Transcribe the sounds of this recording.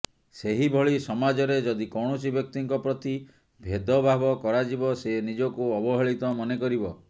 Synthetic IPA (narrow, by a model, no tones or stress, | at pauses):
seɦibʱɔɭisɔmad͡ʒɔɾed͡ʒɔd̪ikɔɽ̃ɔsibjɔk̚t̪iŋkɔpɾɔt̪i | bʱed̪ɔbʱabɔkɔɾad͡ʒibɔsenid͡ʒɔkuɔbɔɦɔɭit̪ɔmɔnekɔɾibɔ